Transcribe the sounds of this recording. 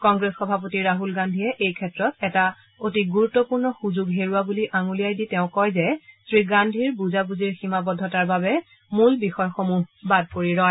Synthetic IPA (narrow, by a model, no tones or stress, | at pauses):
kɔŋɡɹesxɔbʱapotiɹaɦulɡandʱijɛʔejkʰɛtɹɔtɛta | otiɡuɹutːɔpuɹnɔxuzuɡɦeɹuabuliʔaŋulijajditɛʊ̃kɔjzɛsʰɹiɡandʱiɹbuzabuziɹximabɔdʱːɔtaɹbabɛ | mulbixɔjxomuɦbad̚poɹiɹɔ